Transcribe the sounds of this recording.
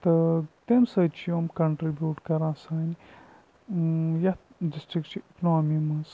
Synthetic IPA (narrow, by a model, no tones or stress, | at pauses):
t̪ɐt̪emsɐt͡ʃʰijomkɐɳʈɾibʲjuːʈkɐɾãːsaːni | jɐt̪disʈɾikt͡ʃʰiiknoːmimɐs